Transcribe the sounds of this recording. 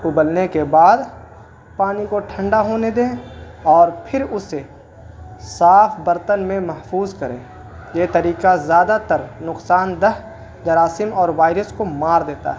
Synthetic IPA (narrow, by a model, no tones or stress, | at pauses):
ʊbəlnekebaːd̪ | paːnikoʈʰə̃ɳɖaɦoːned̪ẽːɔːɾpʰɪɾʊse | saːpʰbɐɾt̪ənmẽmɐɦfuːzkɐɾḛ̃ː | jeːt̪ɐɾiːqazjaːd̪at̪əɾnʊqsaːnd̪ɐɦ | d͡ʒɐɾaːsɪmɔːɾʋaːɪɾəskomaːɾd̪eːt̪a̰ɦɛ